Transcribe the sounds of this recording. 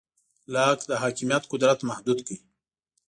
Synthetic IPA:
lɑːkd̪əɦaːkɪmijat̪qʊd̪ɾat̪mahd̪ud̪kəi

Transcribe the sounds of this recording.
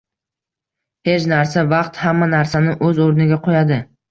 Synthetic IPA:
he̞t͡ʃnaɾsavɑqt̪hamːanaɾsanɪʔɵzoɾnɪɡʲaqʰojad̪ɪ

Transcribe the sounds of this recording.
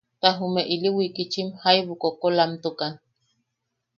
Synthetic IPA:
t̪aɦumeʔiliwikit͡ʃimhajβukokolamt̪ukan

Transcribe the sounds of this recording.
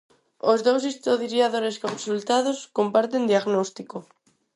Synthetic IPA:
ozðowsist̪oðɾjaðoɾeskõnsult̪að̞oskompaɾt̪end̪iaɣnɔst̪iko

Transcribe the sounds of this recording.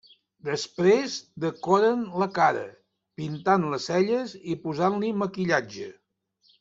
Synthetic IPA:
d̪əspɾezd̪əkɔɾənləkaɾə̰ | pint̪anləsɛʎəzipuzanliməkiʎad͡ʒə

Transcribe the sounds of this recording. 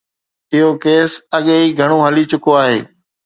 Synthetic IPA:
ɪɦokeːsɐɠeɦiːɡʱɐɽ̃oɦɐlit͡ɕʊkoaːɦḛː

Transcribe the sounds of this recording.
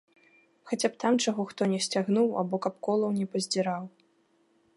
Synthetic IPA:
xat͡sʲapt̪amt͡ʂaɣɔxt̪ɔnʲɛsʲt͡sʲaɣnuwa̰bɔkapkɔlˠɐwnʲɛpɐzʲd͡zʲɛɾaw

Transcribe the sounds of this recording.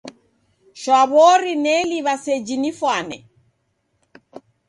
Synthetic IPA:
ʃwaβɔɾinɛliβasɛd͡ʒinifwanɛ̰

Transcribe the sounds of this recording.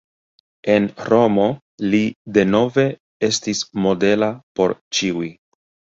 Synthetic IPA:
e̞nɾo̞mo̞ | lide̞no̞ve̞ | e̞stismo̞de̞lapo̞ɾt͡ʃiui

